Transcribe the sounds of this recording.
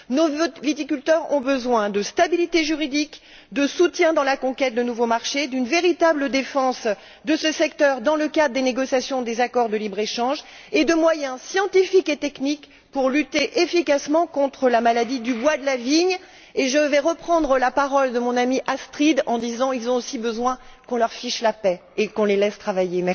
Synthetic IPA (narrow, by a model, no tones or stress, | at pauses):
novit̪ikʲylt̪œʁɔ̰̃bəzwɛ̃d̪əst̪abilit̪eʒyʁid̪ik | d̪əsut̪jɛ̃d̪ɑ̃lakɔ̃kʲɛt̪̚d̪ənuvomaʁʃed̪ynveʁit̪abləd̪efɑ̃s | d̪əsəsɛkt̪œʁd̪ɑ̃ləkad̪ʁəd̪eneɡɔsjasjɔ̃d̪ezakɔʁd̪əlibʁeʃɑ̃ʒ | ed̪əmwajɛ̃sjɑ̃t̪ifiket̪ɛknik | puʁlyt̪eʔefikasmɑ̃kɔ̃t̪χəlamalad̪id̪ybwad̪əlaviɲ | eʒəvɛʁəpχɑ̃d̪ʁəlapaʁɔld̪əmɔ̃namiʔast̪χid̪ɑ̃d̪izɑ̃ilzɔ̃osibəzwɛ̃kɔ̃lœʁfiʃlapɛekɔ̃lelɛst̪χavajemɛ